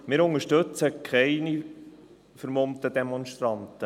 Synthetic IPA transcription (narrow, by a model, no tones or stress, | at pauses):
mɪːɾʊŋəʃtɵt͡səkʰχɛɪni | fəɾmomt̪ədemɔnʃt̪ɾɑntə